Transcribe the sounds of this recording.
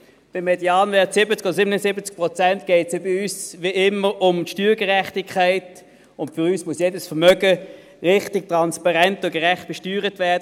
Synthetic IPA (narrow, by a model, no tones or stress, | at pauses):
b̥ɪmːɛdjaːnvɛɐtsɪbət͡skɔdəsɪbənəsɪbət͡sk̚pʁɔt͡sɛntɡ̥ɛɪtsebəyːsʋiʔɪməʁʊmtʃtyːɡəʁɛχtɪkʰːaɪt | ʊntfʏʁyːsmʊsjeːdəsfəʁmœɡə | ʁɪχtɪk̚tʁɑnspɑʁɛntʊɡ̥əʁɛχt̚b̥ɛʃtyːʁətvɛɐdə